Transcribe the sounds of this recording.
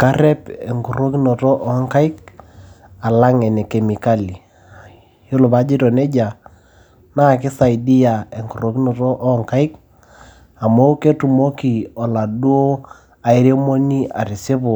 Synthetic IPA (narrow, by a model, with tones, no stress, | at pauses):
ka˦ɾɛ˦pɛ˨ŋku˨ro˦ki˦nɔ˨tɔ˦ʔɔ˦ŋka˦ɪ˦k | a˨la˦ŋɛ˨ne˨ke˨mi˨ka˦li˨ | jo˦lo˨ba˦d͡ʒi˦tɔ˨nɛ˦d͡ʒa˨ | na˦˨kɪ˦sa˨i˨di˦ja˨e˨ŋku˨ro˨ki˦no˨tɔ˦ʔːŋka˦ɪ˦k | a˨mo˦ke˦tu˨mo˦ki˨ɔ˨la˨du˦o˦ | a˨ɪ˦ɾe˦mo˦ni˦a̰˨ɾi˨se˦bʊ˨